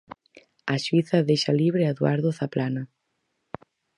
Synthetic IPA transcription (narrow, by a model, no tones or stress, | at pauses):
aʃwiθɐðejʃaliβɾeaeðwaɾðoθaplana